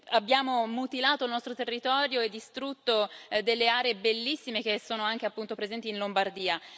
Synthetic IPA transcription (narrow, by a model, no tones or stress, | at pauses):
abːjaːmomut̪ilaːt̪oilnɔst̪ɾot̪erːit̪ɔːɾjoed̪ːist̪ɾut̪ːod̪elːeaːɾeebelːisːimek̟esːoːnoaŋk̟eapːunt̪opɾezɛnt̪iːnlombard̪iːa